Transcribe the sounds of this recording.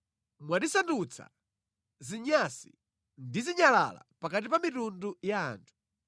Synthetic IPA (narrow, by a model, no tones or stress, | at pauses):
mwaɗisandut͡sʰa̰ | ziɲasi | ndiziɲala̰la̰pakat̬ipamitunduja̰ːntʰu̥